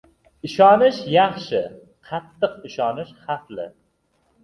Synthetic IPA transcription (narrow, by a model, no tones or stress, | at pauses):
ɪʃɒnɪʃjɑχʃɪ | qʰɑt̪ːɨqɪʃɒnɪʃχɑflɪ̰